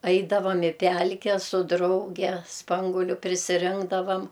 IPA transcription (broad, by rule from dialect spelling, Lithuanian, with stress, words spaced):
ˈɐɪdɐʋɐm ɪ ˈpʲælʲkʲɛ sʊ ˈdrɐʊɡʲɛ ˈspɐŋɡuɔlʲʊ pʲrʲɪsʲɪˈrʲɪŋɡdɐʋɐm